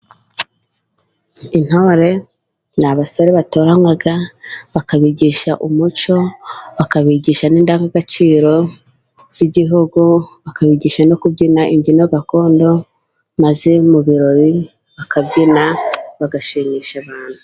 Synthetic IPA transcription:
in̥hoɾe̞ | naβaso̞ɾe̞βato̞ːɾaŋwaɡaβakaβiɟiʃaʔumut͡ʃo̞βakaβiɟiːʃaniːndaːŋaɡat͡ʃiːɾo̞ | z̥iɟiɦuɡuβakaβiɟiːʃano̞kubɟinaʔimɟino̞ɡako̞ːndo̞ | maze̞muβiɾo̞βi | βakabɟinaβaɡaʃiːmiːʃaβaːn̥hu

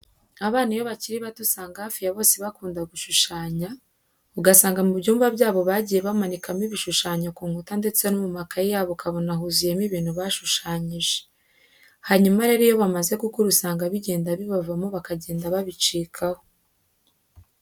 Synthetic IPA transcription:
aβaːnijo̞βaciɾiβatusaːŋɡahafijaβo̞ːseβakuːndaɡuʃuʃaːɲa | uɡasaːŋɡamubɟuːmvabɟaːβo̞βaɟije̞βamanikamiβiʃuʃaːɲakuːŋhutande̞t͡se̞numumakajaːβokʰaβo̞naɦuzijemiβiːn̥huβaʃuʃaːɲiʒe̥ | haɲumaɾe̞ɾijo̞βamaze̞kukuɾusaːŋɡaβiɟe̞ːndaβiβavamoβakaɟe̞ːndaβaβit͡ʃiːkʰaho

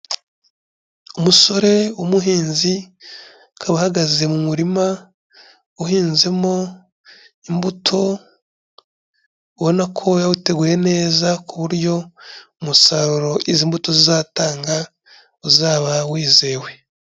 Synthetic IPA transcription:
umuso̞ɾe̞umuɦiːnzi | kʰaβahaɡaze̞mumuɾima | uɦiːnze̞mo̞ | imbutʰo̞ | uβo̞nakʰo̞jawute̞ɡuːje̞ne̞ːzakuβuɾjo̞umusaɾuɾo̞ʔiziːmbuto̞zizaːtaːŋɡa | uzaːβawiːzeːwe̞

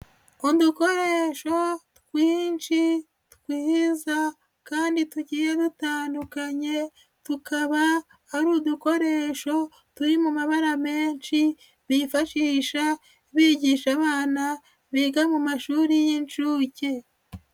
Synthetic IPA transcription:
oduko̞ɾe̞ʃo̞tu̥kwiːnʃi | tu̥kwiːhiza | kaːndituɟiːɾe̞dutaːndukaɲe̞ | tukaβa | aɾuːduko̞ɾe̞ːʃo̞ | tuɾimumaβaɾame̞ːnʃi | βifaʃiːʃa | iβiːɟiːʃaβaːna | βiɡamumaʃuːɾijint͡ʃuːce̞

